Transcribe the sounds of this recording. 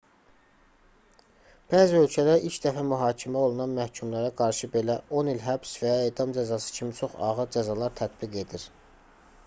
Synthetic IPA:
b̥æːziø̞lcʰælæɾilʃd̪æfæmyɦɑːcʰimæo̞lˠunɑnmæhcʰumlæɾæɡɑɾʃɯbe̞læo̞nilɦæbsvæjeːd̪ɑmd͡ʒæzɑsɯ̥cʰimit͡ʃʰo̞χɑ̰ʁɯɾd͡ʒæzɑlˠɑɾt̪ʰæt̪b̥iɡe̞d̪iɾ

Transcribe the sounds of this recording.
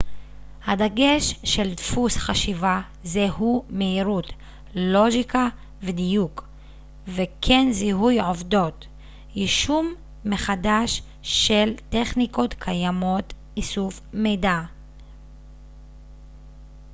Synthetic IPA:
had̪aɡe̞ʃʃe̞ltfusχaʃiva | zehume̞iʁut | lo̞ɡika | vedijuk | vekʰe̞nziɦujʕovdo̞t | jiʃumː | e̞χadaʃ | ʃːelteχniko̞tkʰajamo̞t | isufmejda

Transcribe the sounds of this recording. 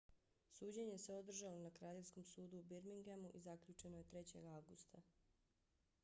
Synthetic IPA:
suːd͡ʑeɲeese̞o̞d̪r̩ʒalo̞nakɾaːʎevʲsko̞msuːd̪uːbiɾmiŋɡemuʔizaklʎut͡ʃe̞noje̞t̪ɾe̞t͡ɕe̞̰ɡaʋɡust̪a

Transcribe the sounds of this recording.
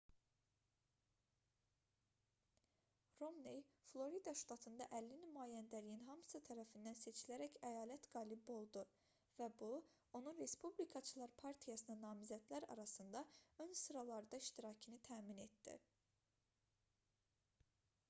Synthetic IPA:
ro̞mnejflˠo̞ɾid̪ɑʃt̪ɑt̪ʰɯnd̪ɑʔælːinymɑːjænd̪ælijinɦɑmɯ̥sɯt̪ʰæɾæfind̪ænse̞t͡ʃʰilæɾæcæjɑːlæt̪ɡ̥ɑːlibo̞lˠd̪u | væbu | o̞nunɾe̞spublikʰɑt͡ʃʰɯlˠɑɾpʰɑɾt̪ʰijɑsɯnɑnɑːmizæd̪læɾɑ̰ɾɑsɯnd̪ɑø̞nsɯɾɑlˠɑɾɯd̪ɑiʃt̪iɾɑcʰɯnit̪ʰæːmine̞t̪d̪̥ḭ

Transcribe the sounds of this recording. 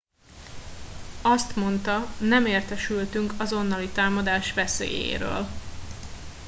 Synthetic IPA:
ɒst̪mo̞nt̪ɒnɛmeːrt̪ɛʃylt̪yŋkɒzo̞nːɒlit̪aːmɒd̪aːʃʋɛsḛːjḛːɾø̰ːl

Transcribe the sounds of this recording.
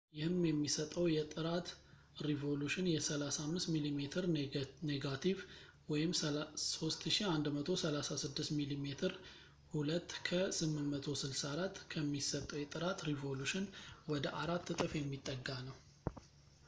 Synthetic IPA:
jɪhɨmjɛmːisət̪ʼəwjɛt̪ʼɨɾat̪ | ɾivo̞luʃɪnjɛsəlasamːɨst̪milimet̪ʰɨɾneɡat̪ʰiv | wɔjɪmso̞st̪ʃiand̪mət̪ʰo̞səlasasɨd̪ːɨst̪milimet̪ʰɨɾ | hulət̪ːkʰəsɨmːɨnmət̪ʰo̞sɨlsaɾat̪ːkʰəmːisət̪ʼːəwjɛt̪ʼɨɾat̪ɾivo̞luʃɪnwɔd̪əʔaɾat̪ːɨt̪ʼɨfjɛmːit̪ʼːəɡːanəw

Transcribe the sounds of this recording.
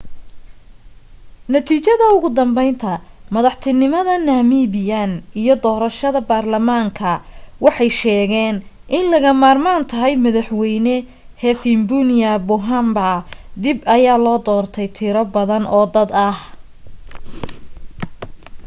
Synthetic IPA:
nɐt̪ʰiːt͡ʃɐðɐʊɣʊd̪ɐmbɛjnt̪ʰɐ | mɐðɑħt̪ʰɪnɪmɐðɐnaːmiːβɪjanijɞd̪ɔːɾɐʃɐðɐbaːrlɐmaːŋkʰɐwɑħɑjʃɛːɣɛːn | ʔɪnlɐɣɐmaːrmaːnt̪ʰɐɦɛjmɐðɑħwɛjnɛ | hɛfɪmbʊnɪjɐbʊɦambad̪ɪbɐjaːlɔːd̪ɔːrt̪ʰɛjt̪ʰɪɾɔbɐðɐnɔːd̪ɐd̪ɐh

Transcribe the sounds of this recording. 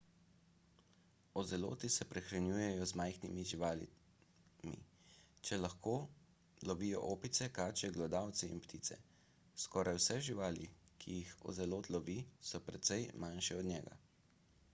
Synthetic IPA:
ɔzɛlo̰ːt̪isɛpɾɛxɾanjuːjɛjɔzmajxnimiʒiʋaːlḭ | mḭ | t͡ʃɛlaxkoː | lɔʋijɔ̰ʔoːpit̪sɛkaːt͡ʃɛɡlɛd̪aːwt̪sɛḭnpt̪iːt̪sɛ̰ | skɔːɾajwsɛʒiʋaːlikʰijixɔ̰zɛloːt̪lɔʋisɔpɾɛt̪sɛjmanʃɛɔd̪ɲɛːɡa̰

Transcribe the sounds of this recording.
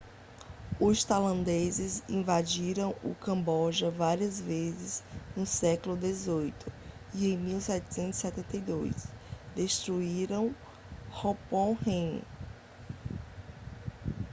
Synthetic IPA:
ʊst̪alɐ̃nd̪ezɪzĩvad͡ʒiɾɐ̃w̃ʊ̰kɐ̃mbɔʒɐvaɾiɐzvezɪznʊsɛklʊd̪ezojt̪ʰʊ̥ | iẽj̃miwsɛt͡ʃɪ̥sẽnt̪zisɛt̪ẽnt̪ejd̪ojsd̪eʃt̪ɾuiɾɐ̃w̃ | hopõhẽj̃

